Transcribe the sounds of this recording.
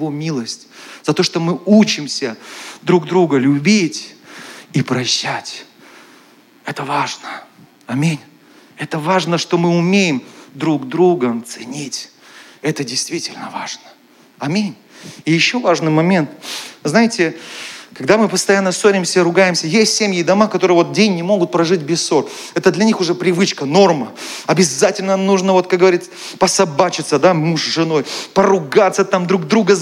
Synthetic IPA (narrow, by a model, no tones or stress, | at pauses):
vomʲilˠəsʲtʲzɐt̪o̞ʂt̪o̞mɨut͡ɕɪmsʲəd̪ɾuɡd̪ɾuɡəlʲʊbʲitʲ | ipɾɐɕːætʲ | ɛt̪əvaʐnə | ɐmʲinʲ | ɛt̪əvaʐnəʂt̪o̞mɨʊmʲejɪmd̪ɾuɡ̪d̪ɾuɡət̪sɨnʲitʲ | ɛt̪ədʲɪjst̪vʲitʲɪlʲnəva̰ʐnə̥ | ɐmʲinʲ | ɪjɪɕːo̞vaʐnɨjmɐmʲe̞nt̪znajɪtʲɪkɐɡd̪amɨpəst̪ɐjanːəsoɾʲɪmsʲəɾʊɡajɪmsʲəjesʲtʲsʲemʲjɪd̪ɐmakɐt̪o̞ɾɨjəvo̞t̪̚dʲenʲnʲɪmo̞ɡʊt̪̚pɾɐʐɨtʲbʲɪssːo̞r | ɛt̪əd̪lʲɐnʲixʊʐɛpɾʲɪvɨt͡ɕkəno̞rməɐbʲɪzatʲɪlʲnənuʐnəvo̞t̪̚kak̚ɡəvɐɾʲit̪sə | pəsɐbat͡ɕɪt̪səd̪amuʂzʐɨno̞jpəɾʊɡat̪sːət̪amd̪ɾuɡ̚d̪ɾuɡə